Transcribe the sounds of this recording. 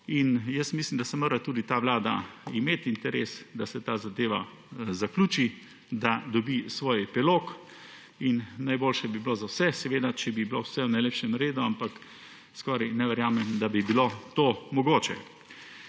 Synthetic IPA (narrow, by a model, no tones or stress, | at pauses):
injəst̪mislimd̪asɛmoːɾat̪uːd̪it̪aːʋlaːd̪aimeːt̪int̪ɛɾeːsd̪asɛt̪aːzad̪eːʋa | zaklʲuːt͡ʃi | d̪ad̪ɔbisʋoːjɛpɛloːk | innajboːlʃɛbiblozawsɛsɛʋeːd̪at͡ʃɛbibilowsɛwnajleːpʃɛmɾeːd̪uampak | skɔːɾajnɛʋɛɾjaːmɛmd̪abibilot̪oːmɔɡoːt͡ʃɛ̰